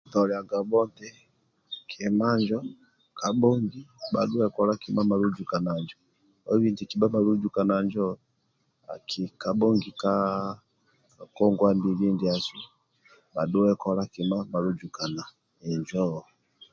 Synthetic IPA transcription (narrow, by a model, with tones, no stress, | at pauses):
tɔ˨lɛ˨a˨ɡa˨bɔ˦ntɛ˦ | kʰɛ˨ma˦ɲd͡ʒɔ˦ | ka˨bɔ˦ŋɡi˦ba̰˨ɗu˦ɛ˦kɔ˨la˦ki˨ma˦ma˨lu˦d͡ʒu˨ka˨na˨ɲd͡ʒɔ˨ | ɔ˦βi˦ndi˨ki˨ba˦ma˨lu˦d͡ʒu˨ka˨na˨ɲd͡ʒɔ˦ | a̰˨kʰi˨ka˨ɓɔ˦ŋɡi˨ka˦ | kɔ˦ŋɡwa˦ndi˨βi˦ndi˨a˨sɛ˦ | ba˨ɗu˦wɛ˦kɔ˨la˦ki˨ma˦ma˨lu˦d͡ʒu˨ka˨na˨ | ɛ˨ɲd͡ʒɔ˦˨